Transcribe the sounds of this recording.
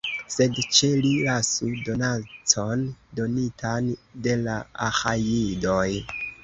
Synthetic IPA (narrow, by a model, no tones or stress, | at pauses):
se̞dt͡ʃe̞lilasudo̞nat͡sʰo̞ndo̞nitʰande̞laahajido̞j